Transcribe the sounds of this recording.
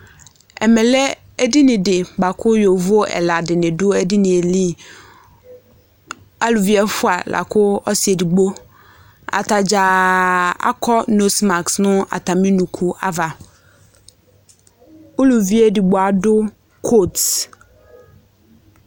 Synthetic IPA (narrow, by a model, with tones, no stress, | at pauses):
ɛ̰˨mɛ˨lɛ˦ | ɛ˦di˦nɪ̃˨dɪ˨ba˨kʰʊ˦jo˨vʊ˦ɛ̰˨la˨dɪ˨nɪ̃˨dʊ˦ɛ˦di˦nɪ̃˨e˨li˦ | a˦lu˨vi˦ɛ˦fʊ˦a˨lʔa̰˨kʰʊ˦ɔ˦si˨e˨di˨ɡ͡bo˦ | a̰˨ta˨d͡ʑa˨ | a̰˦kʰɔ˦no˦sma˨ksnʊ̃˦a̰˨tʰa˨mĩ˦nũ˨kʰu˦ʔa̰˦va˨ | ʊ˦lu˨vi˦ɛ˦di˨ɡ͡bɔ˨a˨dʊ˦ | kʰo˦˨t